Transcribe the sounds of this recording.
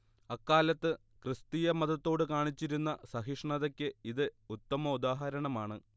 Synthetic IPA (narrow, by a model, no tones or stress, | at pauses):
ɐkːaːlɐt̪ːɨ | krɨst̪ijɐmɐðɐt̪ːo̞ːɽɨkaːɳit͡ɕːiɾunːɐsɐɦiʂɳɐðɐkʲːɨiðɨut̪ːɐmɐud̪aːɦɐɾɐɳɐmaːɳɨ